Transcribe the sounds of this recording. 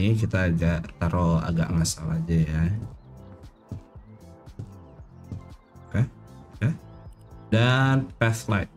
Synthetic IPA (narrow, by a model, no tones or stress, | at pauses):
ikit̪aːɡaʔt̪aɾoa̰ɡa̰ʔŋasalad͡ʒaja | kaka | danpɛθlajt̪̚